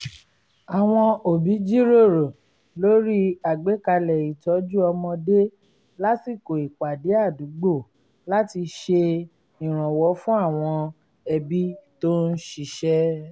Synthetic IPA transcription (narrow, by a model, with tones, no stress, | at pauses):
a˨w̃ɔ̃˧o˨bi˨˦d͡ʒi˦ɾo˦˨ɾo˨ | lo˦ɾi˦a˨ɡ͡be˨˦ka˧lɛ˨i˨tɔ˨˦d͡ʒu˦ɔ˧mɔ̃˧de˦ | la˦si˦˨ko˨i˨k͡pa˨de˨˦a˦˨du˨˦ɡ͡bo˦˨ | la˦ti˧ʃe˧ | ĩ˨ɾ̃ã˨wɔ˨˦fũ˦a˦˨w̃ɔ̃˧ | ɛ˧bi˦to˦n̩˦ʃi˧ʃɛ˦